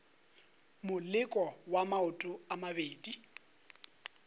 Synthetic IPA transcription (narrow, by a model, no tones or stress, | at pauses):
mʊlɪkʼɔwamaʊtʼʊamabeːdi